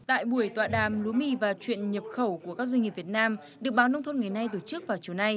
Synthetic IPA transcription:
t̪a̰ː˧˨jɓu˧˩əjt̪waː˧˨ɗaː˨˩mlu˨˦əmi˧vaː˨˩t͡ɕwḭ˧˨ənɲə˨˩p̚xə˧˩wku˧˩əkaː˦˥k̚zi˧ŋi˨˩p̚vi˨˩t̚naː˧m | ɗɨ˨˩ək̚ɓaː˨˦wnə˧wŋ͡mt̪ʰnŋa˨˩jna˧jt̪o˧˩t͡ɕɨ˦˥k̚vaː˨˩wt͡ɕi˨˩əwna˧j

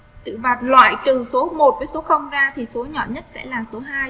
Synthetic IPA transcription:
t̪ɨ̰˧˨vaː˨˩t̚lwa̰ː˧˨jt̪ɨ˨˩so˨˦mo˨˩t̚vəː˨˦jso˨˦xə˧wŋ͡mzaː˧t̪ʰi˨˩so˨˦ɲɔ̰˧˨ɲə˦˥t̚sɛ̰˧˥laː˨˩so˨˦ɦaː˧j

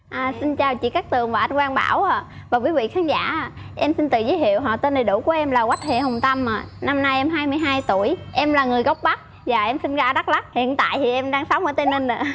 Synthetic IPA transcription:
ʔaː˨˩si˧nt͡ɕaː˨˩wt͡ɕḭ˧˥kaː˦˥k̚t̪ɨ˨˩əŋvaː˨˩ʔa˧jnkwaː˧nɓa̰ː˧˩waː˨˩ | vaː˨˩kwi˨˦vḭ˧˨xaː˨˦nza̰ː˧˥˨ | ʔɛ˧msi˧nt̪ɨ̰˧˨zəː˨˦hʰḭ˧˨əwɦɔ̰˧˨t̪e˧nɗə˨˩jɗu˧˩ku˧˩əʔɛ˧mlaː˨˩ɣwa˦˥jt̚hḛ˧˨hə˨˩ŋ͡mt̪a˧maː˨˩na˧mnaː˧jʔɛ˧mɦaː˧jmɨ˧əjɦaː˧jt̪u˧˩əjʔɛ˧mlaː˨˩ŋɨ˨˩əjɣə˦˥wk͡p̚ɓa˦˥k̚ | vaː˨˩ʔɛ˧msi˧nzaː˧ɗa˦˥la˦˥k̚hḭ˧˨ənt̪a̰ː˧˨jt̪ʰi˨˩ʔɛ˧mɗaː˧ŋsə˨˦wŋ͡mʔəː˧˦t̪e˧nə˧na˧˩

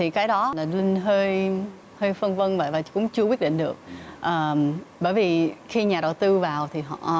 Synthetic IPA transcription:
t̪ʰi˨˩kaː˨˦jɗɔ˨˦˨laː˨˩lï˧ŋ̟ɦəː˧j | həː˧jfə˧nvə˧nvə̰˧˨jvaː˨˩kʊ̰˧˥ŋ͡mt͡ɕɨ˧wt̚ɗḭ˧˨ŋ̟ɗɨ˨˩ək̚ʔəː˨˩ɓəː˧˩˨jvi˨˩xi˧ɲaː˨˩ɗə˨˩wt̪ɨ˧vaː˨˩wt̪ʰi˨˩ɦɔ̰˧˨

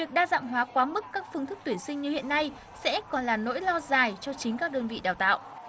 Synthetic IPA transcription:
i˨˩ək̚ɗaː˧za̰ː˧˨mɦwaː˨˦kwaː˨˦mɨ˦˥kːaː˦˥k̚fɨ˧ŋt̪ʰɨ˦˥k̚t̪wi˧˩ənsï˧ŋ̟ɲɨ˧hḭ˧˨ənːa˧j | sɛ̰˧˥kɔ˨˩nlaː˨˩no̰˧˥jlɔ˧zaː˨˩jt͡ɕɔ˧t͡ɕï˨˦ŋ̟kaː˦˥k̚ɗəː˧nvḭ˧˨ɗaː˨˩wt̪a̰ː˧˨wʔ

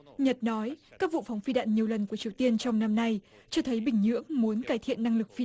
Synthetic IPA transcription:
ɲə˨˩t̚nɔ˨˦jkaː˦˥k̚vṵ˧˨fɔ˨˦wŋ͡mfi˧ɗa̰ː˧˨nɲi˨˩əwlə˨˩nku˧˩ət͡ɕi˨˩əwt̪i˧ənt͡ɕɔ˧wŋ͡mna˧mna˧j | t͡ɕɔ˧t̪ʰə˨˦jɓï˧˩ŋ̟ɲɨ̰˧˥əŋmu˨˦ənkaː˧˩jt̪ʰḭ˧˨ənːa˧ŋlɨ˨˩k̚fi˧

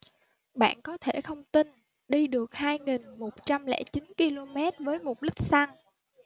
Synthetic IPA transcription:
ɓa̰ː˧˨nkɔ˨˦t̪ʰe˧˩xə˧wŋ͡mt̪i˧n | ɗi˧ɗɨ˨˩ək̚haː˧jŋi˨˩nmo˨˩t̚t͡ɕa˧mlɛ̰˧˥t͡ɕi˨˦nki˧lo˧mɛ˦˥t̚vəː˨˦jmʊ˨˩t̚ɗï˦˥k̟̚sa˧ŋ

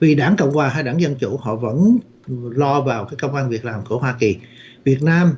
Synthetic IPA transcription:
vi˨˩ɗaː˧˥˩ŋkə̰˧˨wŋ͡mkwaː˨˩ɦaː˧jɗaː˧˥ŋzə˧nt͡ɕu˧˩hɔ̰˧˨və̰˧˥n | lɔ˧vaː˨˩wkaː˨˦jkə˧wŋ͡mʔaː˧nvi˨˩ək̚laː˨˩mku˧˩əɦwaː˧ki˨˩ | vi˨˩ət̚naː˧m

